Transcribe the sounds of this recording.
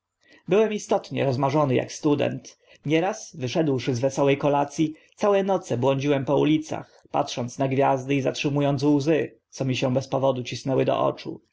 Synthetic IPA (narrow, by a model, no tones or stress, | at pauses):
bɘwɛmist̪ɔt̪ɲɛ̰ɾɔzmaʐɔnɘja̰kst̪ud̪ɛ̰nt̪ | ɲɛɾasvɘʂɛd̪wʂɘzvɛsɔwɛjkɔlat̪sʲjit̪sawɛnɔt̪sɛbwɔɲd͡ʑiwɛmpɔṵlʲit̪sa̰x | pa̰tʂɔnt̪snaɡvʲjazd̪ɘizatʂɘmujɔnt̪swzɘ | t̪sɔmʲiɕɛ̃bɛspɔvɔd̪ut͡ɕisnɛwɘd̪ɔ̰ʔɔ̰t͡ʂṵ